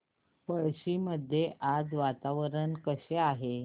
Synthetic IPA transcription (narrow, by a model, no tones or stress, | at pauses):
pəɭɕiːməd̪ʱjeʔad͡zʋat̪aʋəɾənkəɕeaɦe